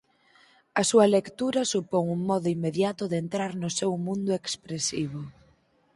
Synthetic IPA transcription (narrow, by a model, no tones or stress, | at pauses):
ɐsuɐlekt̪uɾɐsupoŋuŋmɔðʊimːeðjat̪ʊðent̪ɾaɾnʊsewmũnd̪ʊekspɾesiβ̞ʊ